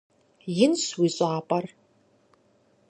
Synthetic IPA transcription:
jɪnswiɕʷʼaːpʼar

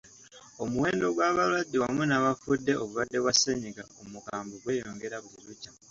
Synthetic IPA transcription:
o̞muwe̞ːndo̞ɡwaːβalwadːewamunaβafudːe̞o̞βulwadːe̞βwasːeɲiɡaomukaːmboɡwe̞jo̞ːŋɡe̞ɾaβuiɾucːa

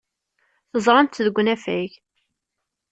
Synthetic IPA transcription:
θəzˤɾˤɑmt̪ðəɡʷːnæfæʝ

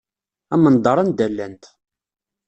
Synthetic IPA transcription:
æmənd̪ˤɑɾˤɑnd̪ælːænt̪

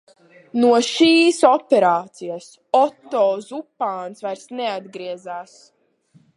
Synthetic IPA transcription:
nuɔʃiːsɔpʲɛɾaːt̪sijas | ɔt̪ːɔːzupːaːnsvajɾsnɛad̪ɡɾiɛzaːs

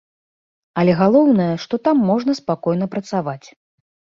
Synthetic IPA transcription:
ɐlʲɛɣalˠɔwnɐjɐʂt̪ɔt̪amːɔʐnɐspakɔjnɐpɾɐt̪savat͡sʲ

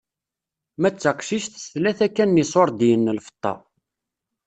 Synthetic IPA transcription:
mæt͡sːəqʃiʃθsθlæθækːænːisˤoɾˤd̪jənːəlfə̥t̪ˤːɑ̰

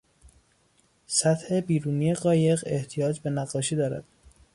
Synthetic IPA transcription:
sæt̪he̞biːɾuːnijeɣɒːje̞ɣe̞ht̪ʰijɒːd͡ʒbe̞næɣːɒːʃiːd̪ɒːɾæ̰d̪̥̚

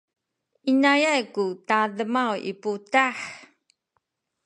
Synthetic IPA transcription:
ʔinajajkutaðəmawḭputaħ

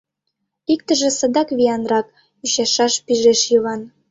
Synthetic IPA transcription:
ik̚t̪ə̆ʒĕsə̆d̪ɑkβiɑnrɑk | yɕɑʃɑʃpiʒeʃjəβɑn

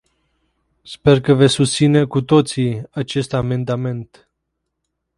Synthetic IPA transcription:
spe̞rkəve̞sʲust̪sine̞kut̪o̞t̪siat͡ʃe̞st̪ame̞nd̪ame̞nt̪

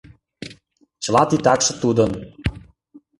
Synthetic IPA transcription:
t͡ɕəlɑt̪it̪ɑkʃɤ̆t̪ud̪ə̆n

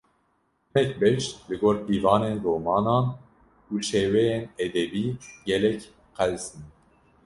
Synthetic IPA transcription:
mɛk̚bɛʃlɨɡoːɾd̪iːvɑːneːndoːmɑːnɑːn | uʃeːwɛjeːnɛd̪ɛbiːɡɛlɛk | qɛlsin

